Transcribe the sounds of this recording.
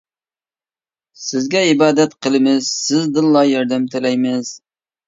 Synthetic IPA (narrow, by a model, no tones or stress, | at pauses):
sɪzɡʲɛibɑːd̪ɛt̪qʰəlˠɨmɪzsɪzd̪ɨlˠːɑjɑɾd̪ɛmt̪ʰɪlɛjmɪz̥